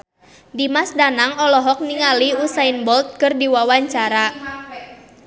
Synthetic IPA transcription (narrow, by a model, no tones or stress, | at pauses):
dimasdanaŋɔlɔɦɔk̚niŋaliusainbɔlt̪̚kɨrdiwawaɲt͡ʃaɾa